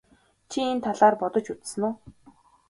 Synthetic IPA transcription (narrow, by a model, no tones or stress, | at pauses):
t͡ɕʰient̪ʰaɮaːrpɔt̪ɞ̆t͡ɕut͡s̪sɘ̆noː